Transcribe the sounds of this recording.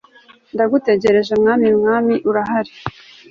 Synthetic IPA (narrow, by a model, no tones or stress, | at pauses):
ndaɡute̞ɟe̞ɾe̞ʒemŋaːmimŋaːmiʔuɾaɦaɾi